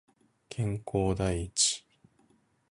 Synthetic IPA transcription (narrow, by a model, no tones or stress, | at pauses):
kʰẽ̞ŋko̞ːd̪aiit͡ɕi̥